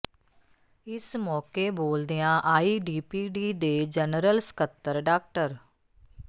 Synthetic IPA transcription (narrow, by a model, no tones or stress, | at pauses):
ɪsmɔːkeːboːld̪ijãːʔaːiːɖiːpiːɖiːd̪eːd͡ʒənɾəlsə̥kət̪ːəɾɖaːk̚ʈəɾ